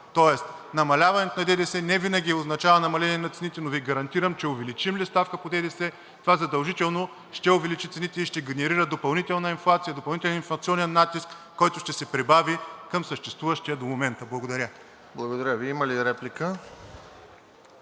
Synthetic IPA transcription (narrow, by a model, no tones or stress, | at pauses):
t̪ɔɛst̪ | nɐmɐlʲavɐnɛt̪onɐd̪ɛd̪ɛsɛnɛvinəɡʲiɛoznɐt͡ʃavənɐmɐlɛniɛnɐt̪sɛnit̪ɛnoviɡɐɾɐnt̪iɾɐmt͡ʃɛʊvɛlit͡ʃimlist̪afkəpod̪ɛd̪ɛsɛ | t̪ovazɐd̪ɐlˠʒit̪ɛlˠno | ʃt̪ɛʊvɛlit͡ʃit̪sɛnit̪ɛiʃt̪ɛɡʲɛnɛɾiɾəd̪opɐlˠnit̪ɛlˠnɐinflˠat̪sijɐd̪opɐlˠnit̪ɛlɛninflˠɐt̪siɔnɛnːat̪iskːɔjt̪ʊʃt̪ɛsɛpɾibavikəmsəʃt̪ɛst̪vuvəʃt̪iɐd̪omomɛnt̪əblˠɐɡod̪ɐɾʲə | blˠɐɡod̪ɐɾʲaviiməliɾɛplikə